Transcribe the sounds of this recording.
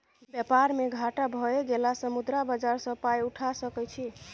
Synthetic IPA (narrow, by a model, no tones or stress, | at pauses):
bjəpaɾmeɡʱaʈabʱɔeɡelasəmud̪ɾabəd͡ʒaɾsə̃pajuʈʰasəkɛt͡ʃʰi